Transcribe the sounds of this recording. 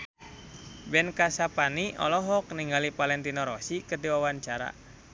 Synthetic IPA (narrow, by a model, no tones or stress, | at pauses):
bɛnkasapaniɔ̰lɔɦɔkniŋɡalipalɛnt̪inɔɾɔsikət̪iwawaɲt͡ʃaɾa̰